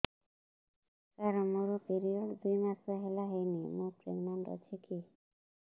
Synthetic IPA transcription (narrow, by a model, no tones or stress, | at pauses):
kaɾonmoɾopiɾioɖd̪ujmasoɦelaɦejnimopɾḛɡnaɳʈɔ̰t͡ɕʰeki